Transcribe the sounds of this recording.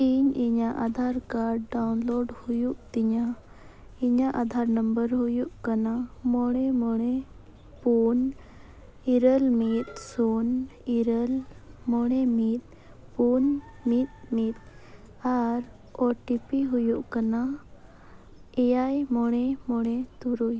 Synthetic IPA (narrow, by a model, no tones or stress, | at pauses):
iɲiɲaʔad̪ʱaɾkaɾɖːawnloɖhujuʔt̪iɲa | iɲaʔad̪ʱaɾnəmbəɾhujuʔkanamɔɽ̃ɛmɔɽ̃ɛ | pun | iɾəlmit̪̚suniɾəlmɔɽ̃ɛmit̪̚ | pun | mit̪̚mit̪̚ | aɾ | ɔʈipiɦujuʔkana | ɛjajmɔɽ̃ɛmɔɽ̃ɛt̪uɾuj